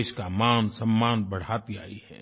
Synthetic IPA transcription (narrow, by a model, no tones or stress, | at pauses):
ʃkamaːnsɐ̃mːaːnbɐɽ̤aːt̪iaːḭhɛ̰ː